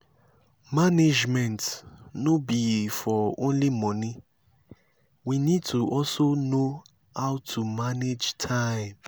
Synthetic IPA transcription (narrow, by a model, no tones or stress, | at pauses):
maned͡ʒmɛ̃ntnobifɔõnlimɔ̃ni | winid̚tʰuʔɔlsono | haʊtʰumaned͡ʒtʰãɪ̃m